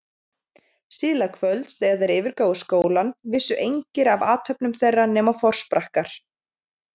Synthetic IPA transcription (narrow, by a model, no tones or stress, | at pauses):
siːlakʰvœlt̪sθɛɣaðɛɾɪːvɪɾkaːwʏskoːwlanvɪsːʏʔejɲcɪɾavaːt̪ʰhœpnʏmθejrːanɛːmafɔr̥spɾahkaɾ̥